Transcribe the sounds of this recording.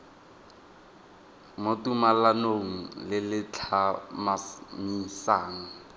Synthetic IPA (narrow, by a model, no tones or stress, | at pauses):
motumalanoŋ̩lɪlɪt͡ɬʰamamisaːŋ̩